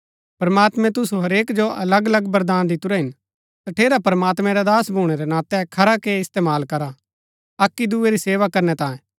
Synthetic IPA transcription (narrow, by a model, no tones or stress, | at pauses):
pɐɾmaːt̪mɛ̃t̪ʊsuɦɐɾeːkd͡ʒoɐ̰ləɡɐləɡbɐɾd̪aːnd̪ɪt̪ʊɾɛɦɪn | t̪ɐʈʰeːɾapɾmaːt̪mɛ̃ɾad̪aːsbʱuːɽ̃eɾɛnãːt̪ɛkʰɐɾakeɪst̪eːmaːlkɐɾa | ɐkːid̪ueɾiseːʋakɐɾnɛt̪ãːẽ